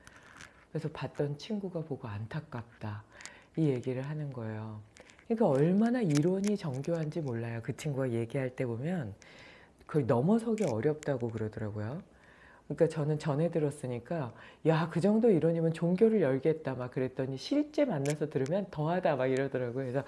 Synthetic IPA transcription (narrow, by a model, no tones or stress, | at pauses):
kɯɾesʰʌpat̚t͈ʌnt͡ɕʰiŋɡuɡapoɡoantʰak̚k͈ap̚t͈a | ije̞ɡiɾɯɭɦanɯnɡʌe̞jokɯɲik͈aʌɭmanaiɾwʌɲit͡ɕʌŋɡjoɦand͡ʑimoɭːajokɯt͡ɕʰiŋɡuɡaje̞ɡiɦaɭt͈e̞bomjʌn | kʌnʌmʌsʰʌɡeʌɾjʌp̚t͈aɡokɯɾʌdʌɾaɡojo | kɯɲik͈at͡ɕʌnɯnt͡ɕʌne̞dɯɾʌs͈ɯɲik͈ajakɯd͡ʑʌŋdoiɾwʌɲimɯnt͡ɕoŋɡjoɾɯɭjʌɭɡiɦet̚t͈amak̚k͈ɯɾe̞t͈ʌɲiɕʰiɭt͡ɕ͈e̞manːasʰʌtɯɾɯmjʌntʌɦadamaɡiɾʌdʌɾaɡoesʰʌ